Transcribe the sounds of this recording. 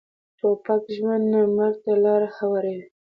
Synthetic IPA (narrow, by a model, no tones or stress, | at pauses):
t̪opakʒwand̪namaɾt̪alɑɾaxabaɾawi